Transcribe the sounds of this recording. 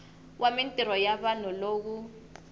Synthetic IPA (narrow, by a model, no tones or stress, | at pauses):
wʔamintʼiɾɔjaɓanɔloːk̬u